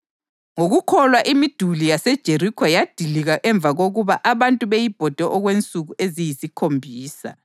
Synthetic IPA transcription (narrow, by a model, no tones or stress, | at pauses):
ŋoɣukʰɔlwaʔimid̥ʱulijasɛd̥ʒ̥ʱerikʰɔjad̥ʱiliɣaʔɛɱb̪vʱaɣoɣuβaʔaβantʼuβejib̥ʱɔd̥ʱɛʔɔɣwent͡sʼuɣuʔezijisikʰombʱiːsa̰